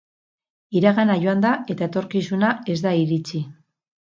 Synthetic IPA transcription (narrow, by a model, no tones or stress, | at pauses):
iɾaɣanaʝo̞and̪ae̞t̪aet̪o̞ɾkisunae̞zd̪aiɾit͡si